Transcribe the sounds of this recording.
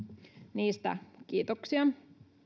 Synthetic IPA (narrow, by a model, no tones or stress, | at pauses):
niːst̪æ̰kiːt̪oksiɑ